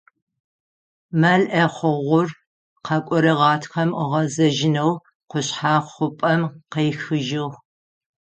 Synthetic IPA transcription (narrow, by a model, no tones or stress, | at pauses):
mɐɮʔɐχʷʊʁʷʊr | qɐkʷʼɔɾɨʁɑːtʰxɐmʁɐzɐʒɪnɐw | qʷʊɕħaːχʷʊpʼɐmqejxɨʒɪʁ